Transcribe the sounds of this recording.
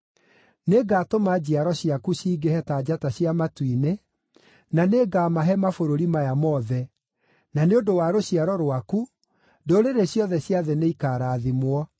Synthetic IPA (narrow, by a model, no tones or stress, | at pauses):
neɡaːtomad͡ʑiaɾɔɕiakuɕiːɡehɛtaːd͡ʑataɕjamatwine | naneːɡaːmaɦɛmafoɾoɾimajamɔðɛ | naneondowaɾoɕiaɾɔɾwaku | doɾeɾeɕjɔðɛɕjaðɛneikaɾaːðimwɔ